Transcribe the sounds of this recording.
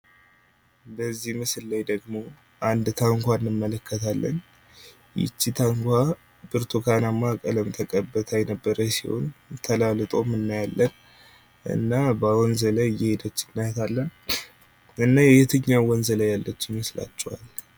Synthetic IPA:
bəzːihmɨsllajd̪əɡmo̞ | ʔand̪t̪ʰaŋkʷanːɨmːələkʰːət̪ʰalːə̰n | jɪ̰t͡ʃːit̪ʰaŋkʰʷa | b̥ɨɾt̪ʰokʰanamakʼələmt̪ʰəkʼəbːət̪ʰajnəbːəɾəsḭho̞̰nt̪ʰəlalɨt̪ʼo̞mɨnːajalːən | ʔɨ̰nːabəwɔnzələjɛhed̪ət͡ʃːɪnːajt̪ʰalːən | ɨnːajɛjɛt̪ʰɨɲːawwɔnzələjalːət͡ʃːɪmmɨsla̰t͡ʃʼːɛwa̰l

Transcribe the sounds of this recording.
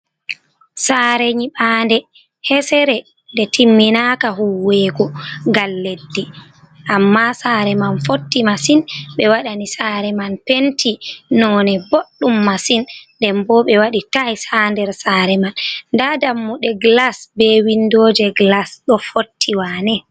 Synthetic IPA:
saɾɛɲiɓaːndɛ | hɛsɛɾɛ | dɛtimːinakahuwɛɡɔɡalːedːi | ʔamːasaːɾɛmanfotːimasinɓɛwaɗanisaɾɛmanpentʰinɔnɛboɗːumːasindɛmbɔɓɛwaɗitajsandɛɾsaːɾɛmanːdadamːuɗɛɡlasbɛwindoːd͡ʒɛɡlasɗɔfotʰːiwaːnɛ

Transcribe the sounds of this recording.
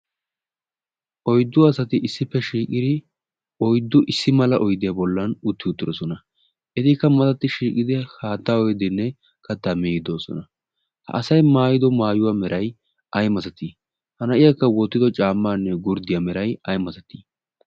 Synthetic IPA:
ʔɔjd̪ːʊɐsɐt̪ɪʔɪsːɪpːɛʃiːkʼɪd̪ɪ | ɔjd̪ːʊʔɪsːɪmɐlɐʔɔjd̪ɪjabɔlːɐnʊt̪ːɪʊt̪ːɪdɔsɔnɐ | ʔɛt̪ɪkːɐmɐt̪ɐt̪ːɪʃiːkʼɪd̪ɪhaːt̪ːaːɔjd̪ɪnːɛ | kɐt̪ːamiɪd̪o̞ːsɔ̰nɐ | hɐ̰ʔɐsɐjmaːjɪd̪ɔmaːjʊwaːmɛɾʔɐj | ʔɐjmɐt̪ɐt̪i | hɐnɐʔɪjakːɐwɔt̪ːɪd̪ɔt͡ʃʼaːmːaːnːɛɡʊɾd̪ɪjɐmɛɾɐjɐjmɐt̪ɐt̪i

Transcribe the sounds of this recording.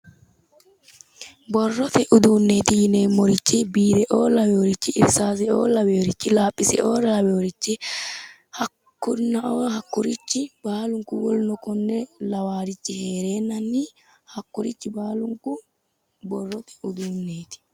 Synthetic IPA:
bɔrːɔt̪ɛʔʊd̪uːnːeːt̪ɪjɪneːmːɔɾɪt͡ʃːɪbiːd̪ɛʔoːlɐwɛɔɾɪt͡ʃːɪɪɾsaːs̬ɛo̰ːlɐwɛɔɾɪt͡ʃːɪlaːpʼːɪsɛ̰ʔoːɾɐɐwɛɔɾɪt͡ʃːɪ | hɐ | kːʊnːɐʔoːhɐkːʊɾɪt͡ʃːɪb̥aːlʊŋkʊwɔlnɔkɔnːɛlɐwaːɾɪt͡ʃːɪheːɾeːnːɐnːi | hɐkːʊɾɪt͡ʃːɪbaːlʊŋkʊ | bɔrːɔt̪ɛ̥ʊd̪uːnːeːt̪ɪ̥

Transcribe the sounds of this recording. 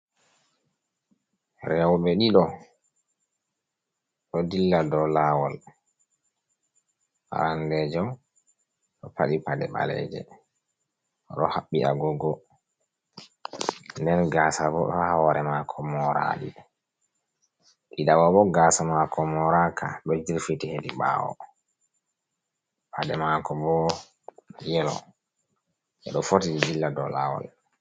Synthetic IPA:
ɾɛwɓɛɗiɗɔ | ɗɔdilːadɔlawɔl | ʔa̰ɾandɛd͡ʒaw | ɗɔpaɗipadɛɓa̰lɛ̰d͡ʒɛ̰ | ɗɔ̰haɓːiʔa̰ɡɔɡɔ | ndɛnɡasabɔɗɔhawɔɾɛmakʰɔmɔɾa̰ɗi | ʔiɗawabɔɡasamakʰɔmɔɾakʰaɗɔd͡ʒiɾfitiheɗiɓa̰wɔ̰ | pʰadɛmakɔbɔ | jɛlɔ̰ | ʔɛɗɔfotid͡ʒd͡ʒilːadɔla̰wa̰l

